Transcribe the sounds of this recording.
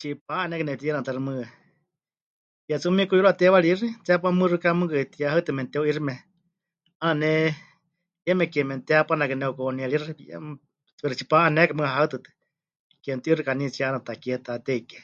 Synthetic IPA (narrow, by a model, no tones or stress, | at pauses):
t͡ʃipaanɛkɨnɛt̪iɛnat̪aɾimɨa | pjat͡sumikuiɾuat̪ɛwalirit͡sɛap̬amɨrɨkamɨkɨt̪iaɦat̪ɨmɛnt̪ɛoirimɛ | anɛ | ɛmɛkɛmɛnt̪ɛapanakɨnɛokonialiɾɨia̰ | t͡sɛɾit͡ʃipaanɛkamɨaɦat̪ɨt̪ɛ̥ | kɛnt̪iiɾikanit͡sianat̪akiɛt̪at̪ɛikɛ̥